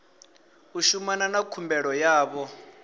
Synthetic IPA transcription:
uʃumananakʰumbɛɺɔjaːβɔ

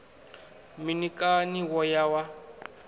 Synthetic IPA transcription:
minikʼaniwɔjawa

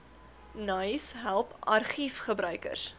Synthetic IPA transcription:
nɐjsɦælˠpɐ̰rχifχəbɾœɥkə̰rs

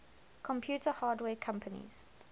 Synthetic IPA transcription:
kʰɔ̃mpʰjuːtəhaːdwɛːkʰãmpʰənḭz̥

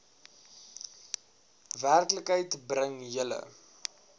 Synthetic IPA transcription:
værkləkɦəjtbrəŋjələ̰

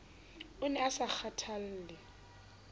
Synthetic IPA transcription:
ʊnɛasak͡xʰatʰal̩ːlɪ

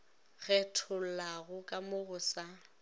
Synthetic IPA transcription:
ɣ̥ɛtʰʊllaɣʊkʼamʊɣʊsa

